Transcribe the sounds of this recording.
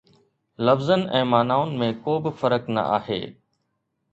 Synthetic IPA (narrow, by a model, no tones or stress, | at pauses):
lɐfzənɛ̃ːmaːnaːʊnɪ̆mẽkoːbɪfɐɾəknɐ̰ʔa̰ːɦḛː